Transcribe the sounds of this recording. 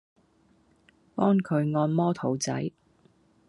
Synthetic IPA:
pɔː˥ŋkʰɵ˨˧ɥŋɔː˧nmɔː˥t̪ʰo˨˩wt͡sɐ̰˨˥j

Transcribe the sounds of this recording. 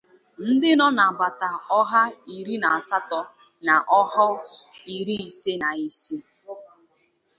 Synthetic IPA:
n̩˦dɪ˦nɔ˦na˨ba˨ta˨ɔ˦ɦa˦i˨ɾi˦na˨a˨sa˦tɔ˨ | na˨ʔɔ˦ɦɔ˦i˨ɾi˦i˨se˦na˨i˦si˦

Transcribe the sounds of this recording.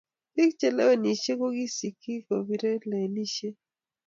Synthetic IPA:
pi˦kt͡ʃɛ˨lɛ̰˦we˦ni˨ʃe˦ko˦ɡi˦si˨ki˦ko˨bi˦ɾe˦lɛ˨ni˦ʃe˦

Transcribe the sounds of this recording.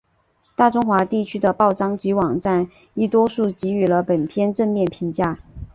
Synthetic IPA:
t̪a˥˩ʈ͡ʂʊ˥ŋxwa˧˥t̪i˥˩t͡ɕʰy˥d̪ə˨pɑ˥˩ʊʈ͡ʂɑ˥ŋt͡ɕi˧˥wɑ˨˩ŋʈ͡ʂa˥˧n | i˥˩t̪wɔ˥ʂu˥˩t͡ɕi˧˥y˨˩lə˦pə˨˩np̪ʰjɛ˥nʈ͡ʂə˥˧nmjɛ˥˩npʰi˧˥ŋt͡ɕja˥˩

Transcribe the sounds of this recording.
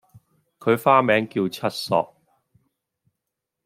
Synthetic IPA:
kʰɵ˨˧ɥfaː˥mɛː˨˧ŋkiː˧wt͡sʰɐ˥t̚sɔ̰ː˨k̚

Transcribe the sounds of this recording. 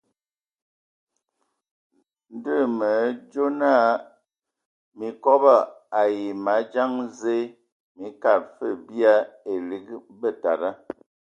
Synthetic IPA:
n̩˦də˦˨mə˨˦d͡ʒo˦na˦˨˦ | mi˨kɔ˦ba˦˨a˨ji˨ma˨˦d͡ʒa˦ŋze˦ | mi˨˦ka˦˨p̚fə˦˨bi˦a˦e˨li˦kbə˦˨ta̰˨ɾa˦

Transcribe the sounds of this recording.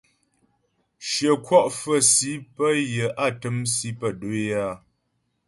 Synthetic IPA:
ʃjə˨kwɔ˦ʔfə˦˨si˨˦pə˦jə˨ʔa˦˨tə˦msi˨˦pə˦˨do˦a˦˨

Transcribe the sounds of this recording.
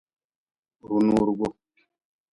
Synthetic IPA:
ɾu˨nu˦ɾu˨ɡo˦

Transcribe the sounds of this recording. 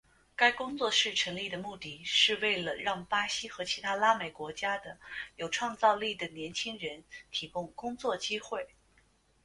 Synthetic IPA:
ka˥ɪkʊ˥ŋt͡swɔ˥˧ʂɻ̩˥˩ʈ͡ʂʰɤ˧˥ŋli˥˩d̪ə˩mu˥˧t̪i˥˩ʂɻ̩˥˧we˥˩ɪlə˩ɻɑ˥˩ŋpa˥ɕi˥xɤ˧˥t͡ɕʰi˧˥t̪ʰa˥la˥me˨˩ɪkwɔ˧˥t͡ɕja˥d̪ə˨jo˨˩ʊʈ͡ʂʰwɑ˥˧ŋt͡sɑ˥˧ʊli˥˩d̪ə˩njɛ˧˥nt͡ɕʰi˥ŋɻə˧˥nt̪ʰi˧˥kʊ˥˧ŋkʊ˥ŋt͡swɔ˥˩t͡ɕi˥xwe˥˩ɪ

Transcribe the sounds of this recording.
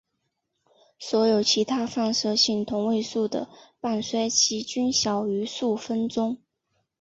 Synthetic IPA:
swɔ˧˥jo˨˩ʊt͡ɕʰi˧˥t̪ʰa˥fɑ˥˩ŋʂɤ˥ɕi˥˩ŋt̪ʰʊ˧˥ŋwe˥˧ɪsu˥˩d̪ə̰˩pa˥˩nswa˥ɪt͡ɕʰi˥t͡ɕy˥nɕjɑ˨˩ʊy˧˥su˥˩fə˥nt͡sʊ˥ŋ

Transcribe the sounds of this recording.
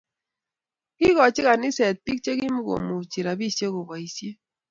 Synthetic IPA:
kɪ˦kɔ˨t͡ʃɪ˦ka˨nɪ˦sɛ˨t̚pi˦k̚t͡ʃe˦ki˦mu˦ɡo̰˨mu˨t͡ʃi˨ɾa˨bi˦˨sje˦ko˨bɔ˨i˨sje˦

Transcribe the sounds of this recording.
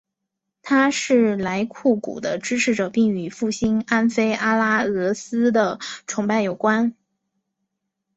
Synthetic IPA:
t̪ʰa˥ʂɻ̩˥˩la˧˥ɪkʰu˥˩kṵ˨˩d̪ə˦ʈ͡ʂɻ̩˥ʈ͡ʂʰɻ̩˧˥ʈ͡ʂɤ˨˩pi˥˩ŋy˨˧˩fu˥˩ɕi˥na˥nfe˥ɪʔa˥la˥ɤ˧˥sɹ̩˥d̪ə˨ʈ͡ʂʰʊ˧˥ŋpa˥˩ɪjo˨˩ʊkwa˥n

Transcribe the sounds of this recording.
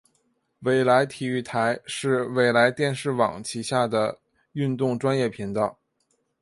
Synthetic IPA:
we˨˩ɪla˧˥ɪt̪ʰi˨˩y˥˩t̪ʰa˧˥ɪʂɻ̩˥˧we˨˩ɪla˧˥ɪt̪jɛ˥˧nʂɻ̩˥˩wɑ̰˨˩ŋt͡ɕʰi˧˥ɕja˥˩d̪ə˩ | y˥˧nt̪ʊ˥˩ŋʈ͡ʂwa˥njɛ˥˩pʰi˧˥ŋt̪ɑ˥˩ʊ

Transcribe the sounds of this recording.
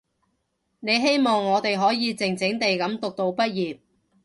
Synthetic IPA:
ne˨˧jɦe˥jmɔː˨ŋːɔː˨˧t̪e˨jɦɔː˨˥jiː˨˧t͡sɪ˨ŋt͡sɪ˨˥ŋt̪e˨jkɐ˨˥mt̪ʊ˨k̚t̪o˧wpɐ˥t̚jiː˨˩p̚

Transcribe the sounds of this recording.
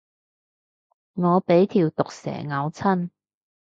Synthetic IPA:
ŋɔː˨˧pe˨˥jt̪ʰiː˨˩wt̪ʊ˨k̚sɛ̰ː˨˩ŋɐ˨˧wt͡sʰɐ˥n

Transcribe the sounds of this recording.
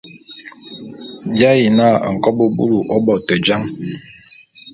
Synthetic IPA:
bja˦ji˨na˦˨ŋ̩˨kɔ˦bo˦bṵ˦lu˨ʔɔ˦bɔ˨tə˨d͡ʒa˦ŋ

